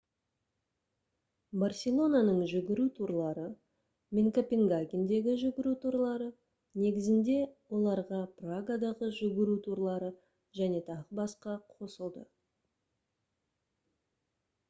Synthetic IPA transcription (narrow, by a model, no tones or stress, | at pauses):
barsʲe̞lˠːo̞nanəɴʒʏɡʲɪɾut̪ʰuɾlˠɑɾə | mʲeŋkopʲe̞ŋɡaɡʲend̪e̞ɡʲɪʒʏɡʲɪɾut̪ʰuɾlˠɑɾə | ne̞ɡʲɪzɪnd̪e̞wo̞lˠɑɾʁɑpraɡad̪ɑʁəʒʏɡʲɪɾut̪ʰuɾlˠɑɾə | ʒæne̞t̪ʰɑʁəbɑsqɑqʰo̞səlˠd̪ə